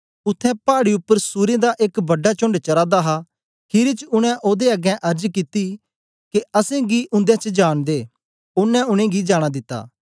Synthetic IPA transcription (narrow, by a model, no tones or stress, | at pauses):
ʊt̪ʰːɛ̃paːɽiʊpːəɾsuːɾed̪aʔeːkbɐɖːat͡ʃʊ̃ɳɖt͡ʃɐɾaːd̪aɦa | kʰɪɾit͡ʃʊɽ̃ɛ̃ʔoːd̪eɐɡɛ̃ʔɐɾd͡ʒkɪt̪i | kiɐsẽɡiʔʊ̃nd̪ɛ̃t͡ʃd͡ʒaːɽ̃d̪eː | ʊnːɛ̃ʊɽ̃ẽɡid͡ʒaːɽ̃ad̪ɪt̪ːa̰ː